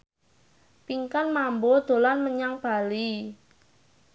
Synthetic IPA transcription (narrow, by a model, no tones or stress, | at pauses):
piŋkanmambod̪̥o̤lanməɲaŋb̥a̤li